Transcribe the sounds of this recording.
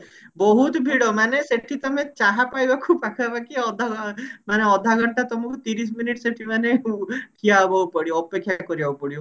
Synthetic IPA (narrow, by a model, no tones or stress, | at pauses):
bɔɦut̪bʱiɽɔmaneseʈʰit̪ɔmẽt͡ʃaɦapajbakʰupakʰabakiɔd̪ʱaɡɔmaneɔd̪ʱːaɡɔɳt̪at̪ɔmukut̪iɾis̬miniʈseʈʰimaneʈʰiabawpɔɽiɔpekʰːjakɔɾiawpɔɽi